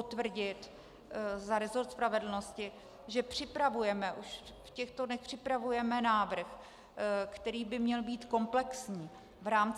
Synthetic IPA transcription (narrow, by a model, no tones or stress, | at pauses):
ot̪vr̩ɟɪt̪ | zaɾɛzo̞ɾt̪spɾavɛdl̩no̞scɪ | ʒɛpr̝̥ɪpɾavujɛmɛʔuʃ | fcɛxt̪onɛxpr̝̥ɪpɾavujɛmɛnaːvr̩x | kt̪ɛɾiːbɪmɲɛlbiːt̪ko̞mplɛksɲiː | vɾaːmt͡s